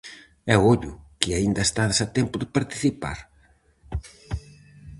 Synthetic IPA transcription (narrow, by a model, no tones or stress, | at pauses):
ɛoʎʊkɪaind̪ɐest̪aðesat̪ɛmpʊðɪpaɾt̪i̥θipa̰ɾ